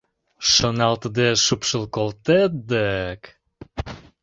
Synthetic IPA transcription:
ʃonɑlt̪əd̪eʃupʃəlˠkolt̪et̪̚d̪ək

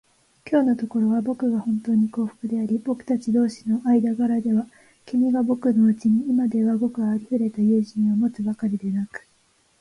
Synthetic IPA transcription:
kʲo̞ːno̞t̪o̞ko̞ɾo̞βabo̞kɯ̟ɡahõ̞nt̪o̞ːɲ̟iko̞ːɸɯ̥kɯ̟d̪e̞aɾʲibo̞kɯ̟̥t̪at͡ɕid̪o̞ːɕi̥no̞ʔaid̪aɡaɾad̪e̞βa | kʲimʲiɡabo̞kɯ̟no̞ɯ̟t͡ɕiɲ̟iːmad̪e̞βaɡo̞kɯ̟ɡaːɾʲiɸɯ̟ɾe̞t̪ajɯ̟ːʑĩɰ̃amo̞t͡sɨbakaɾʲid̪e̞nakɯ̟̥

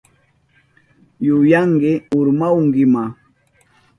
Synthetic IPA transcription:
jʊjaŋɢɪʊɾmawŋɡɪma

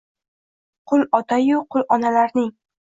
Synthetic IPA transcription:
qʰʊlˠɒt̪ʰajʊqʰʊlˠʔɒnalaɾnɪŋ

